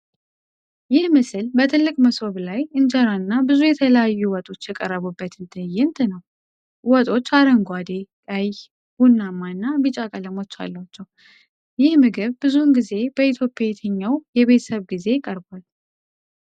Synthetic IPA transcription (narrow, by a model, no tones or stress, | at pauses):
jɪhmɨsɨlbət̪ʰɨlːɨkʼməsoβlajɨnd͡ʒaɾanːabɨzujɛt̪ʰələjajːuwɔt̪ʼo̞t͡ʃːjɛkʼərːəβubːət̪ɨnt̪ʰəjːɛnt̪ʰnəw | wɔt̪ʼo̞t͡ʃːaɾəŋɡʷad̪ekʼəj | hunːamːanːabɨt͡ʃʼakʼələmo̞t͡ʃːa̰lːat͡ʃːɛw | jɪhmɨɡɨβbɨzunɡize̞b̥əit̪ʰjo̞pʼːjaɛt̪ʰəɲːawjɛβet̪ʰə̥səβɡize̞jɪkʼəɾbal